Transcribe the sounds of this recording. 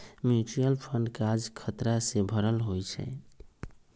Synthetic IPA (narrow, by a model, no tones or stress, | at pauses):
mjut͡ʃijəlpʰəɳɖkad͡ʒkʰət̪ɾasẽbʱəɾəlɦojt͡ʃʰɛ̰